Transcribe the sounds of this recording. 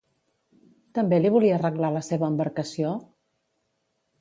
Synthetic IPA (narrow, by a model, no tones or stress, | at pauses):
t̪əmbeliβ̞uliəːrəɣlaləseβəːmbəɾkəsio